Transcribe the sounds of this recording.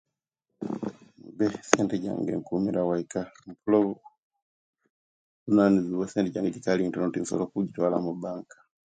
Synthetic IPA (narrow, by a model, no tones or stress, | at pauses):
mubɛsɛntɛɟa̰ŋɡɛ̰ŋkumiɾawaikam̩pulɔu | unaniziwɛsɛntɛɟaŋɡɛɟikaliŋtɔnɔtinsɔ̰lɔkuɟitwala̰mubaŋkḁ